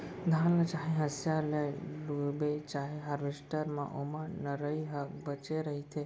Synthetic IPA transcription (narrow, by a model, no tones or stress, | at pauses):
d̪ʱãnlat͡ʃaːɦeɦəsjalelbet͡ʃaːɦeɦaɾʋesʈəɾmã̰ʔomənəɾəiɦəbət͡ʃeɾəɦit̪ʰe